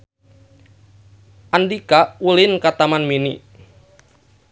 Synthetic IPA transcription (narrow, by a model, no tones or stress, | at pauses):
ʔandikaulɪnkat̪amanmini